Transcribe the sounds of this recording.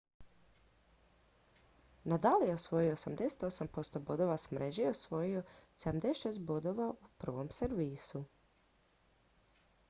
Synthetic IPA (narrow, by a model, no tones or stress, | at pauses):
nad̪alijeosʋo̞jioosamd̪e̞se̥t̪o̞sampo̞st̪obo̞d̪o̞ʋasmɾʔeʒieosʋo̞jioseamd̪e̞st̪ːʃeːst̪̚bo̞d̪o̞ʋaupr̩ʋo̞mseɾʋiːsu